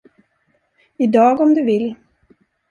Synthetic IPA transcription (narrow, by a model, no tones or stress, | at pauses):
ɪd̪ɑːɡɔmd̪ɵvɪlː